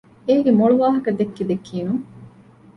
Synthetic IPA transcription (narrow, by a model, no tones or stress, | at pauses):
eːɡemoɭuʋaːɦɐkɐd̪ekːid̪ekːiːnuŋ